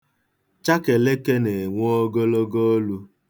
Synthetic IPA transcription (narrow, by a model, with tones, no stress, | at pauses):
t͡ʃa˦ke˨le˦ke˦ne˨ŋʷo˦o˦ɡo˦lo˦ɡo˦lu˦